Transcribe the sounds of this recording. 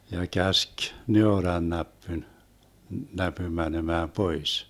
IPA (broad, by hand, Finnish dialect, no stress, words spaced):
jɑ kæsk neorɑnːæpːyn næpym mænemæː pois